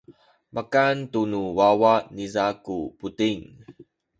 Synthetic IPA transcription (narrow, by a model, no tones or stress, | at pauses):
mʔakantunuwawanizakuputiŋ